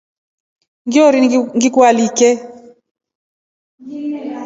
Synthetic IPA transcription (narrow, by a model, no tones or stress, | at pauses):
ŋɡiɔɾiŋɡikwalikɛ